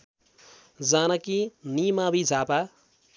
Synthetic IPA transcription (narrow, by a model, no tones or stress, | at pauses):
d͡zanʌkinimabid͡zʱapa